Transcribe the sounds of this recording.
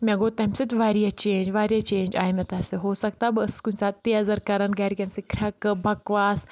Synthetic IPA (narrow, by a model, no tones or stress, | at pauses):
mʲɛ̃ɡoːt̪ɐmʲsit̪ʋaːɾjat͡ʃeːɲd͡ʒʋaːɾjat͡ʃeːnd͡ʒaːimɐ̃t̪ɐseɦoːsɐkt̪aːbɨɐskunʲsat̪iazɐɾkɐɾɐnɡɐɾikʲɐnsikʰɾʲɐkbʱɐkʋaːs